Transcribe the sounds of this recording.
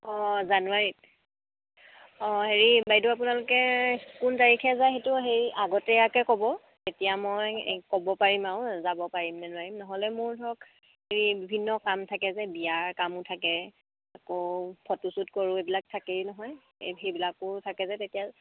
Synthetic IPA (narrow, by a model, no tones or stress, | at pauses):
ɔzanuwaɹit | ɔɦeɹibajduap̬ʊnalʊkɛkuntaɹikʰɛzajɦetʊɦeɹiʔaɡɔtɛakɛkɔbɔ | tetijamɔjkɔbɔpaɹimaʊzabɔpaɹimnanuwaɹimnɔɦɔlɛmʊɹdʰʱɔk | heɹibibʱinːɔkamtʰakɛzɛbijaɹkamʊtʰakɛ | akopʰɔtusutkɔɹʊ̃ebilak̚tʰakeɹinɔɦɔj | ɦebilakʊtʰakɛzɛtetija